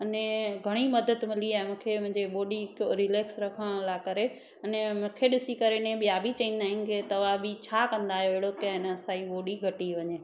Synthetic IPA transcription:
ɐnẽɡʱɐɽ̃imɐd̪əd̪mɪliaːɦɪmũːkʰemʊ̃ɦɪ̃ɲd͡ʑeɓoːɗikoɾɪleːksɾɐkʰəɽ̃laːkɐɾe | ɐnemʊ̃ːkʰeɗɪsikɐɾenẽɓijaːbʱit͡ɕɐĩːn̆d̪aːɦɪ̃nɪ̆ket̪ɐʋabɪt͡ɕʰaːkɐ̃nd̪aːɦijoeɪɽokɪaɦɪnəɐsaːiɓoːɗiɡʱɐʈiʋɐɲeː

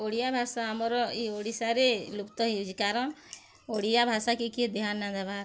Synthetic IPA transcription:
oɽijabʱasaamɔɾɔioɽisaɾelupt̪ɔɦiwd͡ʒikaɾɔn | oɽijabʱasakikid̪iɦanːad̪abʱa

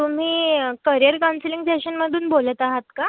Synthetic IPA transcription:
t̪um̤iːkəɾjəɾkansliŋɡseɕənməd̪ʱuːnbolət̪aɦat̪̚ka

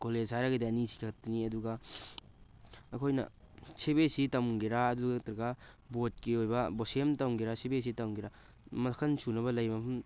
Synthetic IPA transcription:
koled͡ʒhaɾɐɡɐdiɐnisi̥kʰekʰɐtːɐniɐduɡɐ | kʰojnɐ̰ | sebesitɐwmɡiɾaɐduɡatɾɐɡa | bot̚kiojbɐbosemtɐwɡiɾasebes̬itɐwɡiɾa | mɐkʰɐnsunɐβɐlɐjmɐpʰɐm

